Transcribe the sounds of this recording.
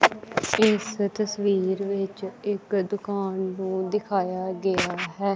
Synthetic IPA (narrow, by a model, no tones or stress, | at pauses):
ɪst̪əsʋiːɾʋɪt͡ʃɪkd̪ʊkaːnːũːd̪ɪkʰaːjaːɡɪaːɦɛː